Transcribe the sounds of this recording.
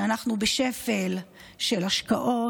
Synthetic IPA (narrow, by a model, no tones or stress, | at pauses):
anaχnubeʃe̞fel | ʃe̞lhaʃka̰ʔo̞